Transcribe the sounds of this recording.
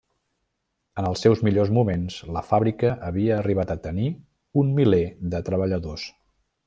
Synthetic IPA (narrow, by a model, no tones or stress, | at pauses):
ənəlˠsɛwzmiʎozmumenz̥ləfaβɾikəʔəβiəːriβ̞at̪ət̪əni | unmileðət̪ɾəβəʎəðos